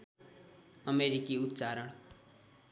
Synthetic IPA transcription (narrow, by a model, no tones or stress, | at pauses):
ʌmeɾikiut̪ːt͡saɾʌɽ